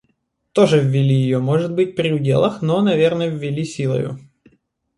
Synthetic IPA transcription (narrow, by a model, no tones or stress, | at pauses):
t̪oʐɨvːʲɪlʲijɪjomoʐɨt̪̚bɨt̚ʲpɾʲɪʊdʲḛlˠɐxnonɐvʲernəjvːʲɪlʲisʲilˠə̰jʊ̰